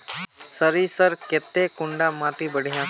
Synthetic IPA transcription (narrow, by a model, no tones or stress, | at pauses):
səɾisəɾkeːt̪ːekʊɳɖaːmãːt̪ibəɽ̤ijãː